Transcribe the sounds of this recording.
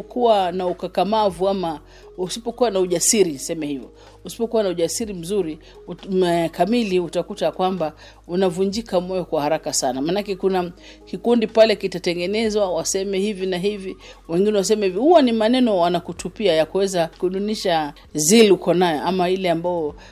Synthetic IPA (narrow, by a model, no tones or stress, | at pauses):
kuwanaukakamavuama | usipɔkuwanauʄasiɾisɛmɛhivɔ | usi̥pɔkuwanauʄasiɾim̩zuɾi | ɛkamiliutakutakwamba | unavuɲd͡ʒikamɔjɔkwahaɾakasanamaːnakɛkuna | kikundipalɛkitatɛŋɡɛnɛzwawasɛmɛhivinaɦiviwɛŋɡinɛwas̬ɛmɛhivihuwanimanɛnɔwanakutupiajakuwɛzakuɗuniʃa | zilukɔnajɔʔamailɛambajɔ